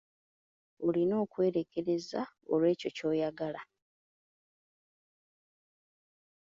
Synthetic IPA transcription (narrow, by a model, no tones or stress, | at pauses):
olino̞ːkwe̞ːɾeke̞ɾe̞zao̰lwe̞ːco̞co̞ːjaɡala